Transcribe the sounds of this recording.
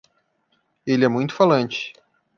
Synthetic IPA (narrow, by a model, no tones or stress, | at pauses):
elɪɛmũj̃t̪ʊ̥falɐ̃nt͡ʃɪ̥